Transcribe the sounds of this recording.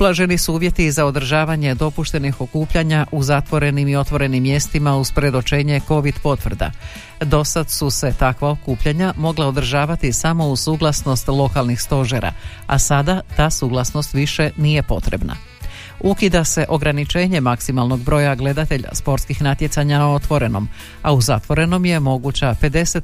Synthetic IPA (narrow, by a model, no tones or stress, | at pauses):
ublˠaʒe̞nisuuːʋje̞t̪izaod̪ɾ̩ʒaːʋaɲe̞d̪o̞puʃt̪e̞nixo̞kuːpʎaɲaʔuzat̪ʋo̞ɾe̞nimio̞t̪ʋo̞ɾe̞nimːje̞st̪imauspɾe̞d̪o̞t͡ʃe̞ːɲe̞ko̞ʋid̪po̞t̪ʋr̩d̪a̰ | d̪o̞sad̪suse̞t̪akʋaokuːpʎaɲamo̞ɡlˠao̞d̪ɾ̩ʒaːʋat̪isamo̞usuːɡlˠasno̞st̪lˠo̞kalˠnixst̪o̞ʒeɾa̰ | a̰sad̪at̪aːsuːɡlˠasno̞st̪ʋiʃe̞nije̞po̞t̪ɾe̞̰bna̰ | ukid̪ase̞ʔo̞ɡɾanit͡ʃe̞ːɲe̞maksimalˠno̞ɡ̚bɾo̞ːjaɡle̞d̪at̪eʎa̰spo̞ɾt̪skixnat̪je̞t̪saɲanao̞t̪ʋo̞ɾe̞no̞̰m | auzat̪ʋo̞ɾe̞no̞mje̞mo̞ɡut͡ɕape̞d̪e̞set̪